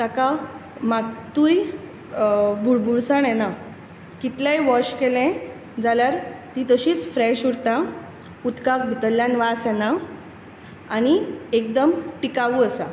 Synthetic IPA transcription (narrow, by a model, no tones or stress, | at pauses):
t̪akamat̪uːj | bʱuɭbʱuɽsaɳjɛna | kit̪lajʋɔɕkelɛ̃ | d͡zaljaɾt̪it̪əɕiːt͡sfɾɛɕuɽt̪a | ut̪kak̚bʱut̪əlːjanʋasjɛna | añiekd̪əmʈikaʋuəsa